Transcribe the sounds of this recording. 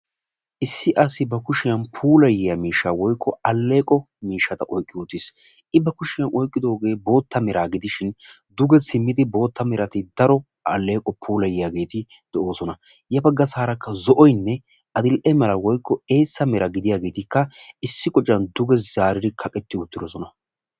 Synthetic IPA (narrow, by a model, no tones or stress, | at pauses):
ʔɪsːɪʔɐsːɪbɐkʊʃɪjɐnpʰuːlɐjɪjɐmiːʃːawɔjkʰːɔɐlːe̞ːkʼɔ | miːʃːɐt̪ɐʔɔjkʼːɪʊt̪ːɪs | ʔɪbɐkʊʃɪjɐnʔɔjkʼːɪd̪o̞ːɡe̞ːbo̞ːt̪ːɐmɛɾaːɡɪd̪ɪʃɪn | d̪ʊɡɛsɪmːɪd̪ɪbo̞ːt̪ːɐmɛɾɐt̪ɪd̪ɐɾɔ | ɐ̰lːe̞ːkʼɔpʰuːlɐjɪjaːɡe̞ːt̪ɪ | d̪̥ɛʔo̞ːsɔnɐ | jɐbɐɡɐsaːɾɐkːɐzɔʔɔjnːɛ | ʔɐd̪ɪlʔɛmɛlɐwɔjkːɔe̞ːsːɐmɛɾɐɡɪd̪ɪjaːɡe̞ːt̪ɪkːɐɪsːɪkʼɔt͡ʃʼːɐnd̪ʊɡɛzaːɾɪd̪ɪkʰɐkʼɛt̪ːɪʊt̪ːɪd̪ɔsɔnɐ